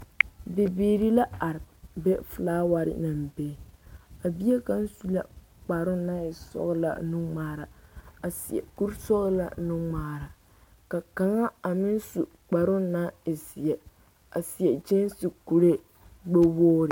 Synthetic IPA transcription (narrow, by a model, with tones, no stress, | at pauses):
be˨beː˨ɾi˦la˦a˨ɾɪ˨bɛ˦flaː˦wa˦ɾɪ̰˦˨na˨mbe˦˨a˨bi˦e˦ka˦n̩˦su˦la̰˨ | k͡pa˨ɾʊ˦na˦ɪ˨sɔ̰˦ɣla̰˨nu˦maː˨ɾa˨a˨sɪ˨ɛ̰˨ku˦ɾsɔ˦ɣla̰˨nu˦ŋ͡maː˨ɾa˨ | ka˨ka˨ŋa˦a˨mɪ˦n˦su˨ | k͡pa˨ɾʊ˦na˦ɪ˨sɪ˨ɛ˨ | a˨si˨ɛ˨d͡ʒe˦nsi˨ku˨ɾe˦ | ɡ͡bo˦woː˦ɾɪ˨